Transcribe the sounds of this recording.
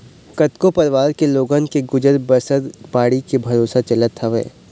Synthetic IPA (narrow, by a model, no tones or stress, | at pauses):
kɐt̪kopɐɾʋaːɾkeloːɡənkeɡʊd͡ʒəɾbɐsəɾbaːɽikebʱɐɾoːsat͡ʃɐlət̪ʰːɐʋḛː